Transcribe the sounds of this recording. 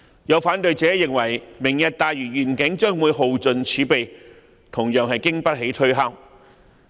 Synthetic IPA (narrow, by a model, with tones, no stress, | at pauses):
jɐ˨˧wfaː˨˥nt̪ɵ˨ɥt͡sɛː˨˥jɪ˨ŋwɐ˨˩jmɪ˨˩ŋjɐ˨t̚t̪aː˨jɥyː˨˩ɥyː˨˩nkɪ˨˥ŋt͡ʃœː˥ŋwuː˨˧jɦo˨wt͡sɵ˨nt͡sʰyː˨˥pe˨j | t̪ʰʊ˨˩ŋjœː˨ŋɦɐ˨jkɪ˥ŋpɐ˥t̚ɦe˨˥jt̪ʰɵ˥ɦaː˥w